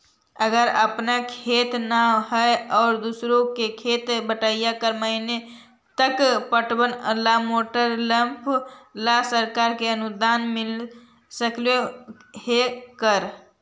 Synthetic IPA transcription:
əɡəɾəpnakʰeːt̪naɦɛɔːɾd̪usɾõkekʰeːt̪bəʈaːijakəɾməɦine | t̪əkpəʈwənəlamoːʈəɾlə̃mpʰlasəɾkaːɾkeənʊd̪aːnmɪl | səkljoɦekəɾ

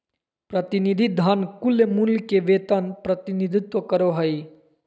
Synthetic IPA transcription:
pɾət̪inid̪ʱid̪ʱankulːemulkeʋet̪anpɾət̪inid̪ʱit̪ʋəkəɾoɦəj

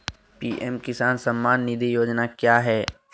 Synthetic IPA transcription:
piːʔɛmkɪsaːnsɐmːaːnːɪd̪ʱijoːd͡ʒnakjaːɦɛː

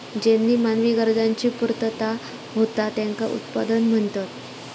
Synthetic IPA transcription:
d͡ʑenːiːmanʋiɡəɾd͡zaɲt͡ɕiːpuɾt̪ət̪a | ɦot̪at̪jãŋka̰ʔṵt̪pad̪ənm̤əɳt̪at̪

